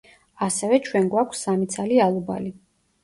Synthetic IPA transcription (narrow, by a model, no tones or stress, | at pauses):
asɛvɛt͡ʃʰwɛnɡwakʷʰsːamit̪sʰalialˠuba̰li